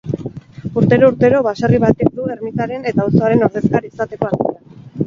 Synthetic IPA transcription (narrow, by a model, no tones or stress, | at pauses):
uɾt̪e̞ɾo̞uɾt̪e̞ɾo̞βasariβ̞at̪ek̚d̪ueɾmit̪aɾe̞ne̞t̪aoso̞aɾe̞no̞ɾð̞e̞skaɾiːsat̪e̞ko̞aɾt̪ia